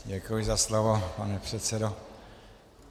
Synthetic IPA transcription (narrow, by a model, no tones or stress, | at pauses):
ɟɛkujɪzaslovopanɛpr̝̥ɛt̪t͡sɛdo